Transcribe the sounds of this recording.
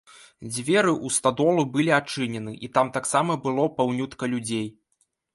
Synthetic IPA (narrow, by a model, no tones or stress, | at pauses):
d͡zʲvʲɛɾɨʔust̪ad̪ɔlˠubɨlʲiat͡ʂɨnʲɛnɨʔit̪amt̪aksamɐbɨlˠɔpawnʲut̪kɐlʲud͡zʲej